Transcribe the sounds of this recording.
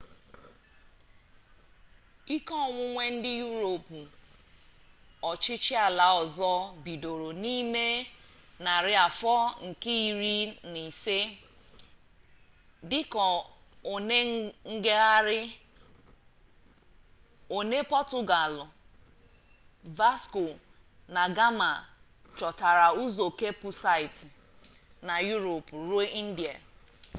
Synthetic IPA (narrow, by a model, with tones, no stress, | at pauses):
i˦kɔ˦˨ŋʷʊ˦ŋʷe˦n̩˦dɪ˦ju˦ɾo˨pu˨ | ɔ˨t͡ʃɪ˦t͡ʃɪ˦a˨la˨ɔ˨zɔ˦bi˨do˨ɾo˨ni˦me˦ | na˨ɾɪ˦a˨fɔ˦ŋ̩˨ke˦i˨ɾi˦ni˨se˦ | dɪ˦kɔ˨ | o˨ne˦ŋ̩˦ɡe˦ɣa˦ɾɪ˦ | o˨ne˦pɔ˦tʊ˦ɡa˨lʊ˨ | va˦skʊ˨ | na˨ɡa˦ma̰˨ | t͡ʃɔ˨ta˨ɾa˨u˦zo˨ke˦pʊ˨sa˦ɪ˨t | na˨ju˦ɾo˨pɾu˦e˦ʔi˦n̩˦di˨a˨